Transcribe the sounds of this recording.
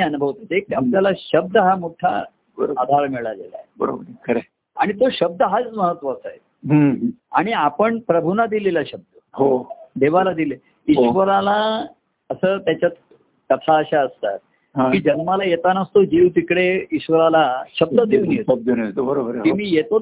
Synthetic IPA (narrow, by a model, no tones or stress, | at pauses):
iənubʱəʋt̪ət̪ek̚iaplalaɕəb̚d̪ʱəɦamoʈʰa̰ | bəɾad̪ʱaɾmiɭaɡela̰ebəɾo̰bəɾkʰəɾe | a̰ɽ̃it̪oɕəb̚d̪əɦat͡sməɦət̪ʋəːsəje | ɦa̰ɽ̃iapəɳpɾəbʱunad̪ilelaɕəb̚d̪ʱəɦod̪eʋalad̪ile | iʋəɾala | əsəːt̪jat͡ɕjat̪ | kət̪ʰaəɕaəst̪a̰t̪̚ | ɦãkiːd͡ʑənmalajet̪anəst̪od͡ʑiwt̪ikɽeiɕʋəɾalaɕəb̚d̪əd̪eunieəb̚d̪ənbəɾobəɾimiːjet̪o